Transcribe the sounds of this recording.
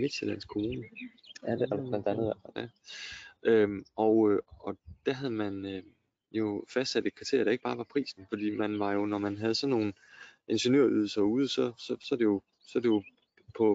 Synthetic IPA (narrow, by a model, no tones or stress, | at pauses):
me̝d̥selæn̰skʰoon | nd̥æn̩ˠæ | ʔømɒʊɒ̽d̥æɦæð̞̩ˠmænø | jo̝fæsd̥sæd̥e̥kʰɑ̈t͡sʰe̝ɐ̰ɐd̥ɑ̈eɡ̥̚b̥ɑ̈ːʋɑ̈pʰʁḭːsn̩fɒd̥ḭːmænʋɑ̈jo̝nɒmænɦæð̞̩ˠəsɒ̽nːo̝ːn̩ | ʔe̝nɕenø̰ɐ̰yð̞ˠl̩sɐuːð̞ˠəsɒ̽sɒ̽sɒ̽d̥e̝jo̝ | sɒ̽d̥e̝jo̝ | pʰɒ̽